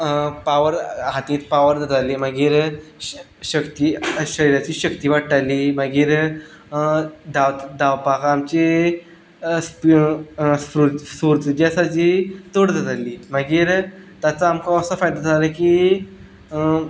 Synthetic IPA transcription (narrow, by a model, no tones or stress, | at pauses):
paʋəɾɦat̪ĩːt̪paʋəɾd͡z̪ad͡z̪alimaɡiːɾ | ɕəkt̪iɕəɾiɾat͡ɕiːɕəkt̪iːʋaʈʈaliːmaɡiːɾ | d̪aʋt̪d̪aʋpakamt͡ɕe | sp | spɾut̪suɾt̪d͡ʑasad͡ʑit̪oɽd͡z̪ad͡z̪aliːmaɡiːɾt̪jat͡saːmkãəsəfajd̪ad͡zaləki